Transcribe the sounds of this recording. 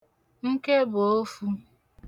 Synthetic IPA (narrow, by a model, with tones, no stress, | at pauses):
ŋ̩˦ke˦bo˨o˦fu˦